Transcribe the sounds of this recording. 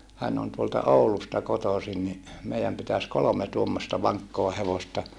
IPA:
hæn on tuoltɑ oulustɑ kotoˑsin ni meijæm pitæs kolome tuomːostɑ ʋɑŋkːoɑ heʋostɑ

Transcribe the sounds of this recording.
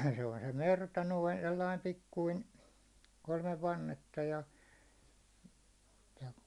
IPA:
se on se mertɑ noin selːɑim pikːuin kolmeʋ ʋɑnːetːɑ jɑ jɑ

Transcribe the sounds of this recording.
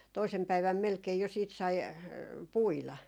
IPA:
toisem pæiʋæm melkei jo siːt sɑi puilɑ

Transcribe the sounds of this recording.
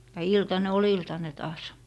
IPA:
jɑ iltɑne ol iltɑne tɑːs

